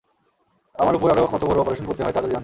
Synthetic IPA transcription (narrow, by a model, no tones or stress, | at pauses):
amaɾupoɾaɾokʰɔt̪ʰobɔɾoɔpoɾeʃonkoɾt̪eɦɔet̪aked͡ʑant̪